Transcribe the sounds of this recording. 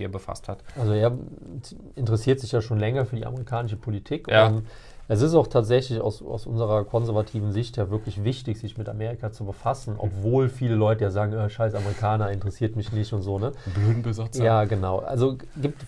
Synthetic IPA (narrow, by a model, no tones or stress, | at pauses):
eːɐbəfa̰sthatʔalzoeːɐ | ɪntəʁɛsiːɐtz̥ɪçjaːʃoːnlɛŋɐfyːɐdiːʔa̰məʁ̞ikʰaːnɪʃəpʰolitʰiːkʊ | ʔɛs̬ɪstaʊxtʰaːtz̥ɛçlɪça̰ʊsa̰ʊsʔʊ̰nzəʁ̞ɐkʰɔnzɛɐvatʰiːvn̩zɪçtjaːvɪɐklɪçvɪçtɪçz̥ɪçmɪta̰meːʁ̞ikat͡subəfasn̩ʔɔ̰pv̥oːlfiːləlɔʏtəjaːzaːɡŋ̩aʃaɪsaməʁikʰaːnɐɪntəʁəsiːɐtmɪçnɪçtʊntz̥oːnəbløːdn̩bəzat͡sjjaːɡənaʊʔa̰lzo | ɡiːp̚t